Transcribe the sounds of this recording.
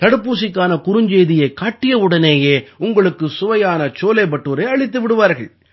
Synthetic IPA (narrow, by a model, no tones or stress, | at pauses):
t̪ɐɽɯpːuːsɪkːaːnɐkʊɾɯɲd͡ʒeːðɪjɐɪkːaːʈːɪjɐʋɯɽɐneːjeːʊŋɡɐɭɯkːɯsʊʋɐjaːnɐt͡ʃoːlɐɪpɐʈːuːɾɐɪɐɭɪt̪ːɯʋɪɽɯʋaːɾɣɐɭ